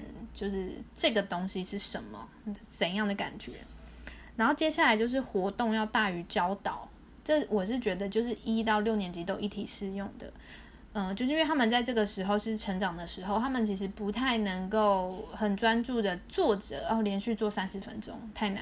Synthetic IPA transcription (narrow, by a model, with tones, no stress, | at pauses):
nt͡ɕjo˥˧ʊʂɻ̩˥˩ʈ͡ʂɤ˥˩ɡə˩t̪o˥ŋɕi˦ʂɻ̩˥˩ʂə˧˦nmə̰˨ | t͡sə˨˩njɑ˥˩ŋd̪ə˩ka̰˨˩nt͡ɕɥɛ̰˧˦na˧˥nxo˥˩t͡ɕjɛ˥ɕja˥˩la˧˥ɪt͡ɕjo˥˧ʊʂ̬ɻ̩˥˩xwɔ˧˥t̪ʊ˥˧ŋjɑ˥˧ʊt̪a˥˩y˧˥t͡ɕjɑ˥ʊt̪ɑ˨˩˦ʊ | ʈ͡ʂɤ˥˩wɔ˨˩ʂ̬ɻ̩˥˩t͡ɕɥɛ˧˥d̪ə˧t͡ɕjo˥˧ʊʂ̬ɻ̩˥˩ʔi˦t̪ɑ˥˧ʊljo˥˩ʊnjɛ˧˥nt͡ɕi˧˥t̪o˥˧ʊi˥˩t̪ʰi˨˩ʂɻ̩˥˧jʊ˥˩ŋd̪ə̰˩ | ə˥˧t͡ɕjo˥˧ʂ̩˥˩t̪ʰa˥mə˨nt͡sa˥˧ɪʈ͡ʂɤ˥˩ɡə˩ʂɻ̩˧˥xo˥˧ʊ˥ʂ̩˥˩ʈ͡ʂʰə˧˥ŋʈ͡ʂɑ˨˩ŋd̪ə˩ʂɻ̩˧˥xo˥˧ʊt̪ʰa˥mə˨nt͡ɕʰi˧˥ʂ̬ɻ̩˧˥pu˧˦˥t̪ʰa˥˩ɪnə˧˥ŋko˥˩ʊxə˨˩nt͡swa˦˥nʈ͡ʂu˥˩d̪ə˩t͡swɔ˥˨˩ʈ͡ʂə̰˨˩˥ljɛ˧˥nɕy˥˧t͡swɔ˥˩sa˦˥nʂɻ̩˨˧˥fə̰˦nʈ͡ʂo̰˥ŋt̪ʰa˥˩ɪna̰˧˦